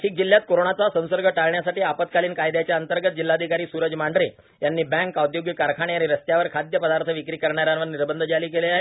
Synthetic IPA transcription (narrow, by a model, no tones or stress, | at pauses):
ʈʰiːk̚d͡ʑil̤jat̪̚koɾoɳat͡sasə̃w̃səɾɡəʈaɭɳjasaʈiːapət̪̚kaliːnkajd̪jat͡ɕjaənt̪əɾɡət̪̚d͡ʑilːaːd̪ʱikaɾiːsuɾəd͡zmaɳɖɾi | janːiːbɛ̃ŋkawd̪joɡjəkaɾkʰaɽ̃eaɾiɾəst̪jaʋəɾkʰad̪jəpəd̪aɾt̪ʰəʋikɾiːkəɾɳaɾjãnʋəɾniɾbənd̪ʱəd͡zaliːkeleaɦe